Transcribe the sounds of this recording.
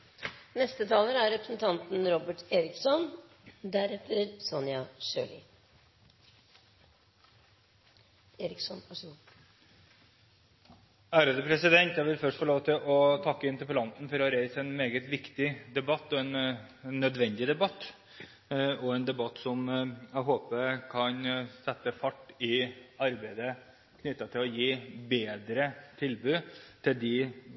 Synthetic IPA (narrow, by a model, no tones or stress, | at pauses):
nɛst̪ət̪ʰɑːləɾæɾɾɛpɾəsnt̪ʰɑnt̪n̩ɾɔbəʈeːɾɪksɔn | d̪æɾɛt̪ʰːəɾsɔnjɑʂø̰ːlɪ̰ | eːɾɪksɔnʋɑʂɡu | æːɾəd̪əpʰɾɛsɪd̪ɛnt̪jæɪʋɪlfœʂʈfɔɭoːʋt̪ʰɪlʔɔt̪ʰɑkːəɪnt̪əpəlɑnt̪n̩fɔɾhɑɾæɪsɛnmeːɡət̪ʋɪkt̪ɪd̪ɛbɑt̪ːɔɛnː | œd̪ʋɛnd̪ɪd̪ɛbɑt̪ː | ɔɛnd̪ɛbɑt̪ːsɔmæɪɦoːpəkʰɑnsɛt̪ːəfɑʈːɪɑɾbæɪd̪ə | kʰnʏt̪ːɑt̪ʰɪlɔjiːbeːd̪ɾət̪ʰɪlbʉːt̪ʰɪld̪ɪ